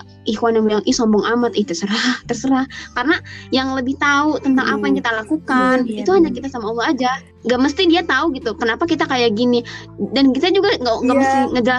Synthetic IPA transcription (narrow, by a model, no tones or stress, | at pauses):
ikuanambəjaŋʔisɔmbɔŋʔamat̪iht̪ərsəɾaht̪ərsəɾahkaɾənajaŋləbɪht̪aut̪ənt̪aŋʔapajaŋkit̪alakukanit̪uhaɲakit̪asamaulːaad͡ʒa | ŋɡaʔməs̬t̪idiat̪auɡit̪ukənapakit̪akajaɡini | dankit̪ad͡ʒuɡaŋɡaŋɡaʔməst̪iŋədəla